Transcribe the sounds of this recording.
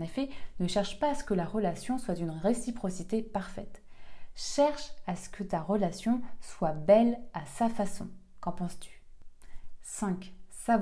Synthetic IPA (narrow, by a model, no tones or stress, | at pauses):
ɑ̃nefɛnəʃɛʁʃpaːsə̥kəlaʁəlasjɔ̃swad̪ynʁesipχɔsit̪epaʁfɛt̪ʃɛʁʃasə̥kʰət̪aʁəlasjɔ̃swabɛlasafasɔ̰̃ | kɑ̃pɑ̃st̪y̥ | sɛ̃ksa